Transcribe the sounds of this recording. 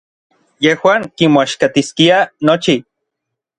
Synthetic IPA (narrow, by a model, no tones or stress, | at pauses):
jehwaːŋkimoaʃkat̪iskianot͡ʃi